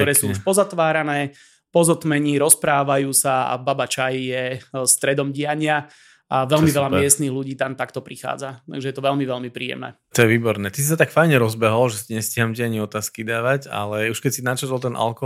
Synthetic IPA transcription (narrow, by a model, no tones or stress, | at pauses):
k̚t̪ɔɾɛːsuːpɔzat̪ʋaːɾanɛː | pɔzɔt̪mɛɲiɾɔspɾaːʋajuːsaa̰babat͡ʃajjɛst̪ɾɛd̪ɔmɟɪaɲɪa | aʋɛlmmiʋɛʎamɪɛst̪niːɣluɟiːt̪amt̪akt̪ɔpɾixa̰ːd͡zat̪a̰ɡʒɛjɛt̪ɔʋɛʎmiʋɛlmipɾḭːjɛ̰mnɛ̰ | t̪ɔjɛʋiːbɔɾnɛːt̪isisat̪akfajɲɛɾɔzbɛɦɔlʒɛsiɲɛscɪɦamɟɪaɲiɔt̪aːskid̪aːʋaɟa̰lɛuʃkɛcsinat͡ʃɛt̪lˠt̪ɛnʔa̰lkɔ